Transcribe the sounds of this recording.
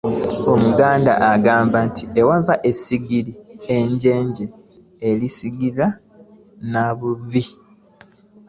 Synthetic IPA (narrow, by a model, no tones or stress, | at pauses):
o̞muɡaːnda̰ʔaɡaːmbantʰiewavaʔe̞siɡiɾieɲɟe̞ːɲɟe | elisiɡiɾa | naβuvi